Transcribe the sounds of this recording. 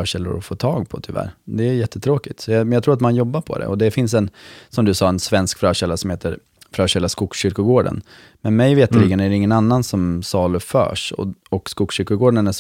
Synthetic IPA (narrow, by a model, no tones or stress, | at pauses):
œːɕɛlːʊ̰ɾɔfoːt̪ʰɑːɡpʰɔ̰t̪ʰʏvæ̰ːɾd̪ɛæjɛt̪ːət̪ʰɾoːkɪt̪sɔjɑjɑːt̪ɾuːɾat̪manjɔbːaɾpʰɔ̰d̪ɛ̰ʔɔd̪ɛfɪns̬ɛnsɔmd̪ɵsɑːɛnsvɛnskfɾœːɕɛlːasɔmheːt̪əɾ | fɾœːɕɛlːaskʊksɕʏɾkʊɡoːɖə̰n | mɛnmɛjveːt̪liːɡənæɖ̪ɛɪŋːənanːansɔmsɑːlɵfœ̰ːʂɔ̰ɔkskʊksɕʏɾkʊɡoːɖənæʂ